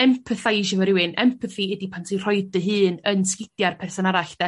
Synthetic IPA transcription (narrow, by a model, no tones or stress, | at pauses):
ɛmpʰəθajʃəvəɾɪwɨnɛ̰mpʰəθiɛdipʰantʰir̥ɔɨdəɦɨːnənskɪdjarpʰɛrsɔnaɾaɬd̥ɛ